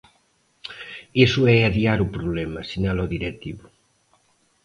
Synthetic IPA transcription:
esuɛaðiaɾupɾuβlemasinaloðiɾek̚t̪iβu

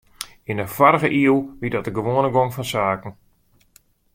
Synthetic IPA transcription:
ɪnəfɔrəɣəʔiəlˠʋidɔtəɡəʋoːnəɡoŋfɔnsaːkn̩

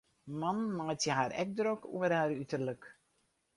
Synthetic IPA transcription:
manmajtjəɦaːɾɛ̰k̚drokṵəraːɾytərlək

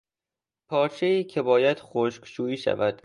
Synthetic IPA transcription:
pʰɒːɾt͡ʃʰeiːcʰe̞bɒːjæd̪̥xoʃkʃuːiːʃæ̰væd̪̥

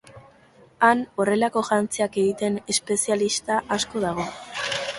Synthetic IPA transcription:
ano̞re̞lako̞ʝant͡siake̞ɣit̪e̞ne̞spe̞sialist̪aʔasko̞ð̞aɣ̞o̞

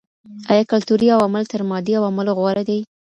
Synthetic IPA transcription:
ajɑkalt̪uɾiawamɪlt̪əɾmɑd̪iawamɪloɣwaɾad̪aj

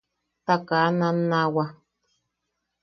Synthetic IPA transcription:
t̪akananawa

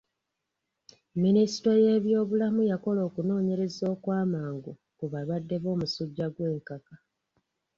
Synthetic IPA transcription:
minisi̥to̞je̞ːβjo̞ːβulamujako̞lo̞ːkuno̞ːɲe̞ɾe̞zo̞ːkwaːmaːŋɡu | kuβaβadːe̞βo̞ːmusuɟːaɡwe̞ːŋkaka

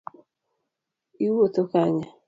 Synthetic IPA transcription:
iwot̪okaɲa

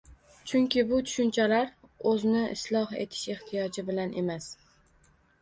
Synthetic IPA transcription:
t͡ʃʰʊŋkʲʰɪbʊt̪ʰʊ̥ʃʊnt͡ʃʰalaɾɵznɪʔɪ̰slˠɒhe̞̰t̪ʰɪ̥ʃe̞ht̪ʰɪjɒd͡ʒɪbɪlanʔe̞mas

